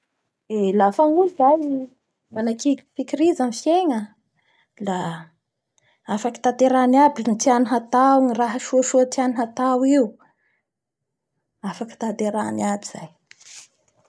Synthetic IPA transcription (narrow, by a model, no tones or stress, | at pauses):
elafaŋuzaj | manakifikiɾizanfjeŋə | la | afaki̥t̪at̪eɾaniabinit̪ianiɦat̪awŋiraɦəʃuəʃuat̪ianiɦat̪awiu | afaki̥t̪at̪eɾaniabiz̥a̰j